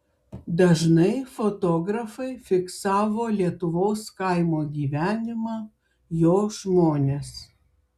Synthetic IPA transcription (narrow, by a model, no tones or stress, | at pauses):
d̪ɐʒnɐɪfot̪oːɡɾɐfɐɪfʲɪksɑːʋoːlʲiɛt̪ʊʋoːskɐɪmoːɡʲiːʋʲæːnʲɪmɑː | joːʒmoːnʲeːs